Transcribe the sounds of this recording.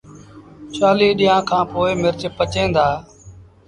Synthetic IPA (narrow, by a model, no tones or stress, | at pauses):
t͡ʃaːliːɗiːãːkʰãːpoːɪmɪɾt͡ʃpət͡ʃẽːnd̪aː